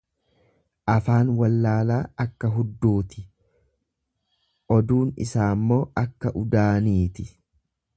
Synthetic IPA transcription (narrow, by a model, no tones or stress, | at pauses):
ʔɐfaːnwɐlːaːlaːɐkːɐɦʊd̪ːuːt̪ɪ̥ | ʔɔd̪uːnɪ̰saːmːo̞ːʔɐkːɐʔʊd̪aːniːt̪ɪ